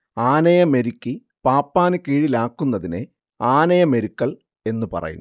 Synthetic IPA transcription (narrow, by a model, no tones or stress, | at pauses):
aːnɐjɐme̞ɾikʲːi | paːpːaːnɨkiːɻilaːkːunːɐðine | aːnɐjɐme̞ɾukːɐɭ | e̞nːupɐ̰rɐ̰jṵ